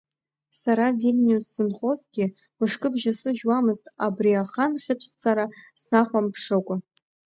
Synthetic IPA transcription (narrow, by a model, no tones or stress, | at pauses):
saɾavilʲnʲiusːɨnχʼo̞zɡʲɪ | mɨʂkʼɨbʒasɨʒwamɨztʼabriaχanχʲɪʈ͡ʂʷʼʰt͡sʰaɾasnaχʷampʰʂɨkʷʼa